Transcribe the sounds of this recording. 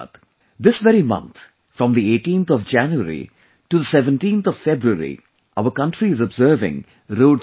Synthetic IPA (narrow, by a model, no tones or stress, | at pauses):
d̪̥ | d̪ɪsʋɛɾimʌ̰̃nt̪ʰ | fɾɔ̃md̪ieːʈĩːnt̪ʰɔʋd͡ʒæ̃njuəɾḭ | ʈud̪əsɛʋə̃nʈĩːnt̪ʰɔv̥fɛbɾuəɾḭ | ʔaʊəɾkʌ̃ɳʈɾiɪzɔbzəːɾvɪ̰̃ŋ | ɾoːɖ